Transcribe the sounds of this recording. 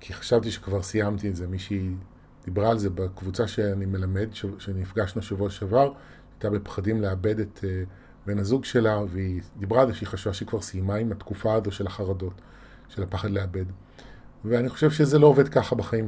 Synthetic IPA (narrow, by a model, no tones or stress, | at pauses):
kʰiχḁʃavtiʃe̥kvaʁsijamt̪ietzemiʃi | d̥ibʁaːlze̞bakvut͡saʃeanime̞lame̞dʃeʃenifɡaʃnuʃavoʃavaʁ | at̪abepχadimleabe̞det̪ʰe | be̞nazuɡʃe̞laveid̪ibʁaːlzeʃeiχaʃuvaʃeikvaʁsijmaimat̪kufaazo̞ʃe̞laχaʁado̞t | ʃelapaχadleabe̞d | veaniχo̞ʃe̞vʃezelo̞ove̞dkaχabaχaim